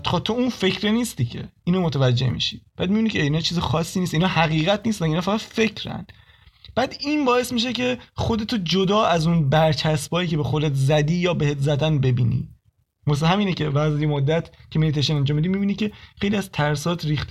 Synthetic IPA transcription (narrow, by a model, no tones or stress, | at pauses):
t̪xɒt̪ʰounfe̞cʰɾeniːst̪icʰḛiːnomot̪ʰævæd͡ʒːe̞̰hmḭʃi̥b̥æːd̪̚mibinicʰeinɒːt͡ʃʰiːzexɒːsːiːnist̪inɒːhæɣiːɣæt̪niːst̪mæinhɒːfæɣæd̪̥fe̞cʰɾæ̰n | b̥æːd̪iːnbɒːe̞smiːʃ̬ecʰe̞xo̞d̪e̞t̪ʰod͡ʒod̪ɒːʔæzunbæɾt͡ʃʰæsbɒːjiːce̞bexod̪et̪ʰzæd̪iːjɒːbehet̪ʰzæd̪ænbe̞bḭːnḭː | mos̬ɦæmiːnecʰe̞væzjemod̪ːæt̪ʰcʰemilit̪ʰejʃenænd͡ʒɒːmid̪imibinicʰe̞xe̞jliæzt̪ʰæɾsɒːt̪ʰɾiːxt̪